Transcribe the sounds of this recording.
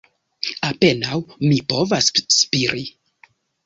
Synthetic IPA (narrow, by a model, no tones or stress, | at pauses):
ape̞nawmipo̞vasːpiɾi